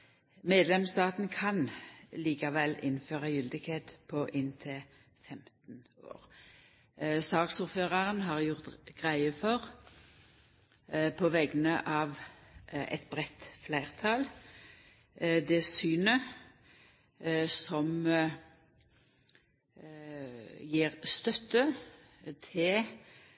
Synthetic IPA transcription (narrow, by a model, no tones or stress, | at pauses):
meːd̪lɛmst̪ɑːt̪n̩kʰɑnliːkɑʋɛlːɪnːføːʁɑjʏld̪ɪkʰheːt̪pʰɔʔɪnt̪ʰɪ | fɛmt̪n̩o̰ːʁ | sɑːksuʁføːʁɑʁənɦɑʁjʊʁt̪ɡ̥ʁæɪəfɔʁ | pʰɔʋɛɡənəʔɑːʋ | ɛ̰t̪bʁɛt̪flæɪʁt̪ʰɑl | d̪ɛsyːnə | sɔm | jiːʁst̪œt̪ːə | t̪ʰɪl